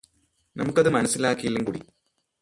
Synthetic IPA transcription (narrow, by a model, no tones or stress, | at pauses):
nɐmukːɐðɨmɐnɐsːilaːkːijilːumkuːɽḭ